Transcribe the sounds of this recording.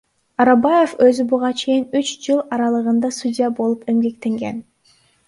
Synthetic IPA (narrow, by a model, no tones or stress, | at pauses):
ɑɾɑbɑje̞fø̞zybuʁɑt͡ʃʰe̞jinyt͡ʃd͡ʒɯlˠɑɾɑlˠɯʁɯnd̪ɑsudʲijabo̞lˠupe̞mɡe̞k̚t̪e̞ŋɡe̞̰n